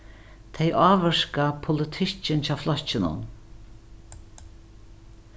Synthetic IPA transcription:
t̪ʰejʔaːʋəʂkapʰʊlɪt̪ʰɪt͡ʃːɪnt͡ɕʰaːflɔt͡ɕːɪnʊ̰n

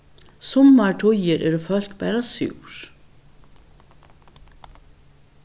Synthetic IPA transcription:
sʊmːaɹʈʰʊjɪɾʔɛːɾɔfœl̥kpæːɾasṵwɾ̥

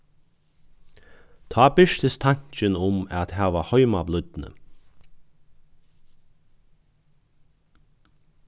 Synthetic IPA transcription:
t̪ʰɑːbɪʂt̪əst̪ʰaɲ̥t͡ʃənʊmæt̪hæːʋahɔʏmablʏd̪nə̰

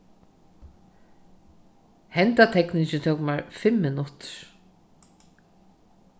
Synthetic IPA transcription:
hɛnt̪at̪ʰɛknɪʃɪt̪ʰɛwkmaɹfɪmːɪnʊt̪ɾ̥

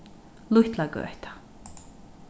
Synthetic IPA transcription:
luht̪laɡø̰ht̪ḁ

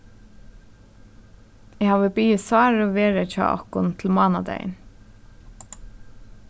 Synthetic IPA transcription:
ɛhaːʋəbiːɪsɑːɾɔʋeːɾat͡ʃɑ̰ːʔɔ̰hkʊnt̪ʰl̩mɑːnad̪ɛ̰ɪə̰n

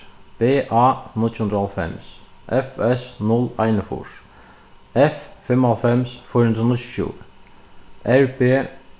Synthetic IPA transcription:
b̥eːʔɑːnɪlt̪hʉnd̪ɾəhalfɛ̰msʔɛfɛsnɔlaɪnəfʊ̰ʂ | ɛffɛmhɑlfɛmsfɔːɾhʉnɾənəɕʉ̥ːfjṵː | ʔæɹbeː

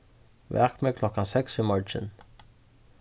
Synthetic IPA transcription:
vɛ̰ːkmɛkʰlɔkansɛksimɔɹt͡ʃɪ̰n

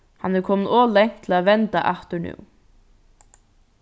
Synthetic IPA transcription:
hɑnæːkʰɔmnoːlɛŋt̪ʰl̩aːʋɛnt̪a̰ʔæht̪əɳʉ̰ː

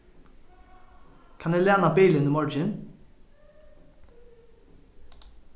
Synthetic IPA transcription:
kʰɑnɛːleːnɑbiːlənɪmɔɹd͡ʒɪn

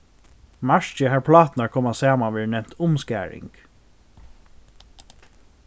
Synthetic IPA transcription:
maʃt͡ʃəɦaɹpʰlɑːt̪naɹkʰɔmasɑːmaʋɛːɹnɛmt̪ʰʊmskæ̰ːɹɪ̰ŋk

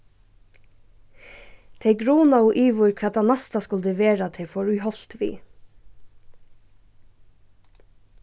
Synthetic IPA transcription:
t̪ʰɛɡɾuːnɑoːʔiːʋʊɹkʰɑt̪ɑnɑst̪ɑskʊld̪əʋeːɾɑt̪ʰefɔɹʉhɔlt̪ʋḭː

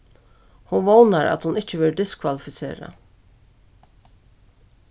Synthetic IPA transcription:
hʊnʋoːnəɾʔɑ̰t̪hʊnɪc͡çəʋɪlɖɪskʰʋalɪfɪsḛːɾə̰

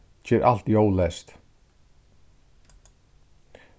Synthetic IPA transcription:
t͡ɕɛɾʔa̰l̥t̪jowlɛst̪

